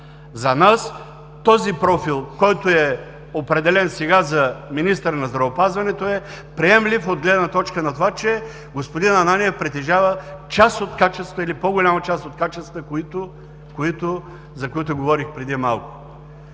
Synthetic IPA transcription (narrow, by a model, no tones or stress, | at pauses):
zɐnas | t̪ɔzipɾɔfilˠkɔjt̪oɛ | opɾɛd̪ɛlɛnsɛɡazɐminist̪əɾnɐzd̪ɾɐvopazvɐnɛt̪oɛ | pɾiɛmlʲifod̪ɡlɛd̪nɐt̪ɔt͡ʃkənɐt̪ovat͡ʃɛ | ɡospod̪inɐnaniɛfpɾɛt̪ɛʒavət͡ʃast̪ot̪kat͡ʃɛst̪vəilipoɡolʲamɐt͡ʃasot̪̚kat͡ʃɛst̪təkit̪o | koit̪o | zɐkoit̪ʊɡovɔɾixpɾɛd̪imalˠkʊ̥